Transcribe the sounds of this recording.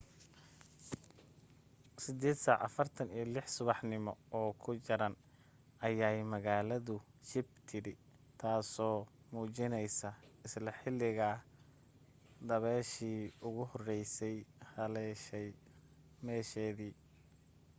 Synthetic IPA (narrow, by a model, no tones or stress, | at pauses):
sɪd̪ɛːd̪saːʕɐ̰fɐrt̪ʰɐnijɞlɪħsʊβɑħnɪmɔɔːkʰʊt͡ʃɐɾɐn | ʔɐjaːjmɐɣaːlɐðʊʃɪbt̪ʰɪɾɪ | t̪ʰaːsɔː | muːt͡ʃɪnɛjsɐɪslɐħɪlɪɣɐ | d̪ɐβɛːʃiːʊɣʊhɔrɛjsɛjhɐlɛʃɛj | mɛːʃɛːðiː